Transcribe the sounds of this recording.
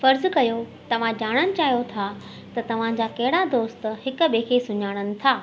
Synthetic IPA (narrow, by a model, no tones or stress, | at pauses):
fɐɾzʊ̆kɐjot̪ɐʋ̤ãd͡ʑaːɽ̃ənɪ̆t͡ɕaːɦijot̪ʰa | t̪ɐt̪ɐʋ̤ãd͡ʑaːkɐɦɪɽad̪oːst̪hɪkʊ̆ɓeːkʰesʊɲaːɽ̃ənɪ̆t̪ʰaː